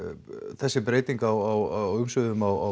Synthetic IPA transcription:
θɛsːɪpɾeːjt̪iŋkawawaʏmsʏɣðʏmawa

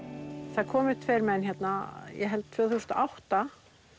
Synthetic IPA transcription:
θakʰɔːmɪ̥t̪ʰveːjɾmɛnçjɛt̪najɛ̰ɦɛlt̪̚t̪ʰv̥œːθust̪aʔawht̪a

